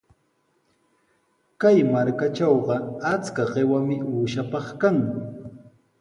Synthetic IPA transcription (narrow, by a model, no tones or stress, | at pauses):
kajmaɾkat͡ʃɑwɢɑat͡skaɢewamɪuːʃapɑχkaŋ